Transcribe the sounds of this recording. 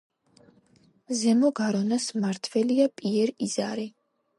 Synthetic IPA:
zɛmɔɡaɾɔnasmaɾt̪ʰvɛliapʼiɛɾiz̥aɾi

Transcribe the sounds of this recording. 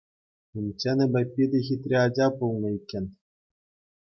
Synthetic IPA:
imʲt͡ɕenʲɘ̆bʲɘ̆pʲːid̪ʲexʲit̪ʲrʲeɑd͡ʑɑpulˠnɤ̆ikʲːɘ̆nʲ

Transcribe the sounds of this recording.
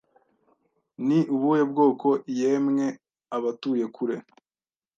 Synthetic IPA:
niʔuβujob̚ɡo̞ːko̞ʔijemŋe̞ | aβatuːje̞kʰuɾe̞

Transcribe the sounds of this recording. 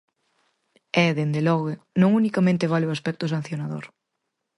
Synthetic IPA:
ɛðend̪elɔɣenõŋunikamẽnt̪ɪβ̞alɪʊaspɛk̚t̪ʊsan̟θjonaðo̰ɾ

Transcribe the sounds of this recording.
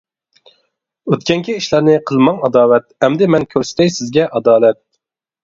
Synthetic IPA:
øt̪kʲɛŋkʲʰiiʃlæɾnɪqʰəlˠmɑŋɑd̪ɑːwɛt̪̚hɛmd̪ɪmɛnkʲʰøɾsɪ̥t̪ɛjsɪzɡʲɛʔɑd̪ɑːlɛt̪̚

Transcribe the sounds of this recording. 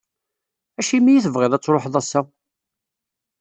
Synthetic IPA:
æʃimijiθəvʁɪðæt͡sːɾˤoħðˤæsːæ

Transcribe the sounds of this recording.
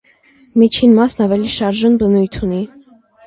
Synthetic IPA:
mit͡ʃʰinmɑsnɑvɛliʃɑɾʒunbənujt̪ʰuni

